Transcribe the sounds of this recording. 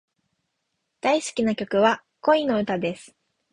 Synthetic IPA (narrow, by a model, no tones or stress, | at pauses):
d̪̥aisɨ̥kʲinakʲo̞kɯ̟βa | ko̞ino̞ɯ̟t̪ad̪e̞sɨ̥